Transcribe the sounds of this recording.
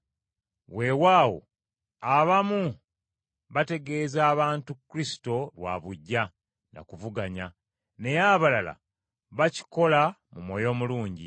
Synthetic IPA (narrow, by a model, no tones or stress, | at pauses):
we̞waːwo̞̰ | aβamu | βate̞ɡe̞zaːβaːntukːɾisi̥to̞lwa̰βuɟːa | na̰kuvuɡaɲa | ne̞jaβalala̰ | βaci̥ko̞lamumwo̞jo̞ːmuluːɲɟḭ